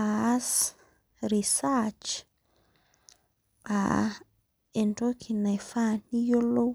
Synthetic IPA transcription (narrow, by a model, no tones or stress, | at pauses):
as | ɾisat͡ʃ | a̰ | ɛndokʰinafanijolo